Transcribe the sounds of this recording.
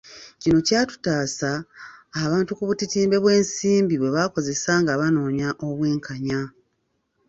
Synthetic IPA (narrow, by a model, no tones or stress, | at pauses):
cino̞caːtu̥taːsaː | βaːntukuβutitiːmbe̞βwe̞ːnsiːmbiβwe̞βako̞ze̞saŋɡaβano̞ːɲaʔo̞βwe̞ːŋkʰaɲa